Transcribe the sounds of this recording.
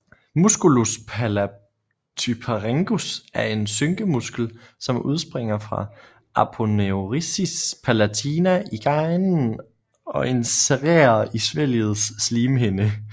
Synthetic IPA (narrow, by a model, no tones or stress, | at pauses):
musɡ̥uluspʰælæ | t͡sʰypʰeʁeŋɡ̥usæɐe̝nsøŋɡ̥əmusɡ̥l̩sɒ̽mʔuð̞ˠsb̥ʁeŋ̰ɐfʁɑ̈ | ʔɑpʰoneoʁisispʰælæt͡sʰiːnæiɡ̥ɑ̈ɪnn̩ | ɒ̽ʔe̝nseʁḛːɐisʋel̰ð̩ˠsːliːmɦenə